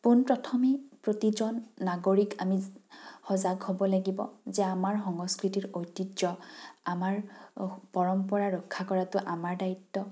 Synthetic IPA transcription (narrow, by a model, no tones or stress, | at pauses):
punpɹɔtʰɔmipɹotizɔnːaɡoɹikamihɔzaɡhobɔlaɡibɔzɛamaɹxɔŋɔskɹitiɹojtiɔamaɹpɔɹɔmpɔɹaɹɔkʰːakɔɹatʊʔamaɹdaitːɔ